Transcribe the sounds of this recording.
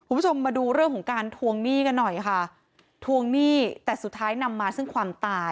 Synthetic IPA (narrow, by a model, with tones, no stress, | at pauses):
kʰu˧˦u˥t͡ɕʰo˧mːaː˧duː˧ɾɯ˥˩əŋkʰɔ˩˦ŋkaː˧nt̪ʰu˧əŋniː˥˩ka˧nːɔ˨˩jkʰa˥˩ | t̪ʰu˧əŋniː˥˩t̪ɛː˨˩su˨˩t̪ʰːaː˦˥jna˧mːaː˧sɯ˥˩ŋkʰwaː˧mt̪aː˧